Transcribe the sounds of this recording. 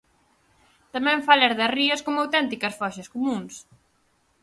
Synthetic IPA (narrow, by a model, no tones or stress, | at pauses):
t̪amɛ̃ɱfalɛɾðɐriɐskomawt̪ɛnt̪ikɐsfɔʃɐskumũŋs